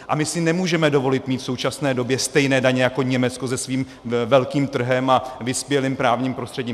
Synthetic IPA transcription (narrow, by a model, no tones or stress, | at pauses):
ʔa̰mɪsɪnɛmuːʒɛmɛdo̞vo̞lɪt̪miːt̪fso̞wt͡ʃasnɛːdo̞bjɛst̪ɛjnɛːdaɲɛjako̞ɲɛmɛt͡sko̞zɛsviːm | vɛlkiːmt̪r̩ɦɛmavɪspjɛlimpɾaːvɲiːmpɾo̞st̪r̥ɛɟiːm